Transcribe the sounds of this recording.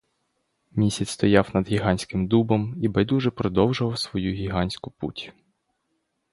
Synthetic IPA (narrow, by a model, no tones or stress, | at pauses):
mʲisʲɐt͡sʲst̪ɔjɑwnɐd̪ɣʲiɦɑnʲsʲkɪmd̪ubɔmibɐjd̪uʒɛpɾɔd̪ɔwʒʊʋɐwsʋɔjuɣʲiɦɑnʲsʲkʊpṵtʲ